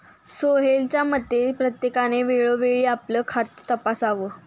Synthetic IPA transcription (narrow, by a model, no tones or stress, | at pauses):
soɦelt͡ɕjaməd̪ʱepɾət̪jekaneʋeɭoʋeɭiːapləːkʰat̪ːəpasaʋə